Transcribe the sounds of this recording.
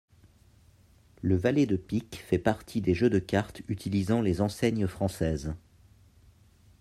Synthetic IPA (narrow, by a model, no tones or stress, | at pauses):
ləvaled̪əpikfɛpaʁt̪ʰid̪eʒød̪əkaʁt̪yt̪ilizɑ̃lezɑ̃sɛɲfχɑ̃sɛːz